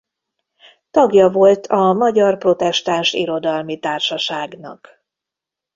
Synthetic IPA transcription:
t̪ɒɡjɒvo̞lt̪ʰɒmɒɟɒrpro̞t̪ɛʃt̪aːnʃḭɾo̞d̪ɒlmit̪aːrʃɒʃaːɡnɒ̰k

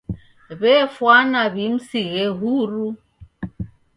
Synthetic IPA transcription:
βɛfwanaβim̩siɣɛɦuɾu

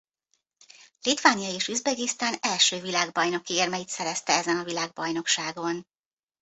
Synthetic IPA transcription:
lit̪ʋaːnjɒeːʃyzbɛɡist̪aːnɛlʃøːvilaːɡbɒjno̞kieːrmɛjit̪sɛɾɛst̪ɛɛzɛnɒvilaːɡ̚bɒjno̞kʃaːɡo̞n

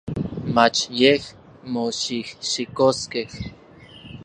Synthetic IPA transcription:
mat͡ʃjeh | moʃihʃikoskeh

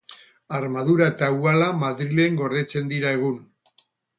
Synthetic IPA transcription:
aɾmaðuɾae̞t̪aualamaðɾile̞ŋɡo̞ɾð̞e̞t͡se̞nd̪iɾae̞ɣ̞un

